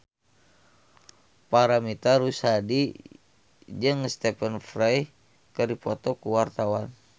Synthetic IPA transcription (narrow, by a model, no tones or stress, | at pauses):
paɾamit̪aɾusadi | d͡ʒɨŋst̪ɛpənfraj | kəɾipɔt̪ɔkuwart̪awan